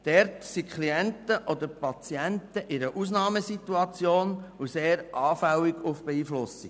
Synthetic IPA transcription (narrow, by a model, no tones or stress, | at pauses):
d̥ɛɾtsikχliɛnt̪əʔɔd̪əɾpɑt͡siɛnt̪əʔɪɾəʔusnɑːməsit̪uɑt͡sjoːnuseːɾʔɑːfæwiɡufb̥ɛiːflʊsi